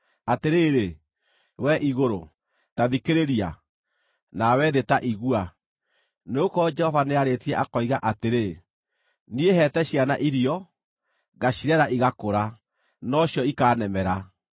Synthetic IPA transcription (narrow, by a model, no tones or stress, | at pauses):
ateɾeːɾe | wɛʔiɣoɾo | taðikeɾeɾia | nawɛðetaʔiɣua | neokɔd͡ʒɛhɔvaneaɾetiɛʔakɔiɣaʔateɾe | nieɦɛtɛɕianaʔiɾiɔ | ɣaɕiɾɛɾaʔiɣakoɾa | nɔɕjɔikaːnɛmɛɾa